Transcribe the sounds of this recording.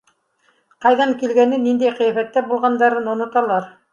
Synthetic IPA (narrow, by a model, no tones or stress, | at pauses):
qɑjðɑɴkilɡænɘnind̪æjqɤ̆jæfæt̪ːæbulˠʁɑnd̪ɑɾɤnŏnŏt̪ɑlˠɑɾ